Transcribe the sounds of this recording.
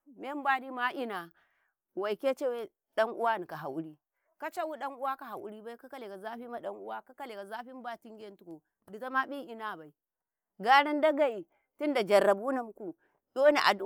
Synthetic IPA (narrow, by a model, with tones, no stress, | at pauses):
me˦m˦ba˦di˦ma˦ʔi˦na˨ | wa˨i˨ke˦t͡ʃe˦we˦ | ɗa˦ŋʔu˦wa˦ni˨ka˨ɦa˨ʔu˦ɾi˦ | ka˦t͡ʃa˦wu˦ɗa˦ŋu˦wa˦ka˨ɦa˨ʔṵ˦ɾi˦ba˦i˦ka˦ka˦le˨ka˨za˦ɸi˦ma˦ɗɐ˦ŋu˦wa˦ka˦ka˦le˨ka˨za˦ɸi˦m˦ba˦ti˦ŋɡʲe˦n˦tu˦ko˨ | di˨ta˦ma˦ɓi˦ʔi˦na˦˨ba˨i˨ | ɡa˦ɽa˦nda˦ɡa˨i˨ | ti˦nda˨d͡ʒa˨rːa˨bu˦u˦na˨m˦ku˨ | ɗo˦ne˨ʔa̰˨du˦